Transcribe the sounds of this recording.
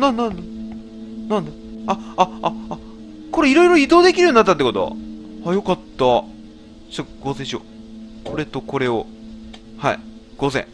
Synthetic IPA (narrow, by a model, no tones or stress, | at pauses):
nãnːãn | nãnd̪a | aaː | ko̞ɾe̞iɾo̞iɾo̞id̪o̞ːd̪e̞kʲiɾɯjoinat̪ːat̪ːeko̞t̪o̞βa̰ajo̞kat̪ːa | t͡ɕaɡ̥ozeɕo̰ | ko̞ɾe̞t̪o̞ko̞ɾe̞o | ha̰ḭ | ɡ̥o̞zḛ̃